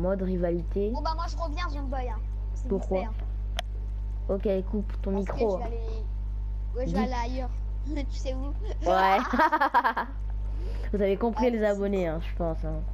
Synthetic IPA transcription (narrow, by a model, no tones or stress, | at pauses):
mɔd̪ʁivalit̪ẽbamwaʒəʁəvjɛ̃ʒɛ̃bɔjɛ̃ | puʁkwa | okʲekupt̪ɔ̃mikχõ | wɛd̪alaːjœʁ | t̪y̥sɛu | wɛ | vuzavekɔ̃pχilezabɔneɛ̃ʒəpɑ̃sɛ̃